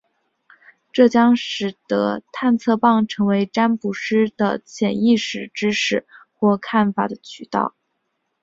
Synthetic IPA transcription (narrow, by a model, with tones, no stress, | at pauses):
ʈ͡ʂɤ˥˩t͡ɕjɑ˥ŋʂɻ̩˨˩t̪ɤ̰˧˥t̪ʰa˥˧nt͡sʰɤ˥˧pɑ˥˩ŋʈ͡ʂʰɤ˧˥ŋwe˧˥ɪʈ͡ʂa˥npu˨˩ʂɻ̩˥d̪̥ə̰˨t͡ɕʰjɛ˨˩ni˥˩ʂɻ̩˨˩ʈ͡ʂɻ̩˥ʂɻ̩˥˩xwɔ˥˧kʰa˥˩nfa˨˩d̪ə˦t͡ɕʰy˨˩t̪ɑ̰˥˩ʊ